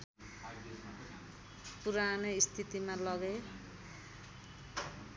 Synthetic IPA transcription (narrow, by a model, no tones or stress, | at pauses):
puɾaneist̪ʰit̪imalʌɡe